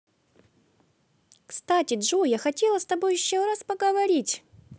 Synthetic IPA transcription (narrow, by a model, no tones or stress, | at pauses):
kst̪atʲɪdʐujaxɐtʲe̞lˠəst̪ɐbojɪɕːoɾaspəɡəvɐɾʲitʲ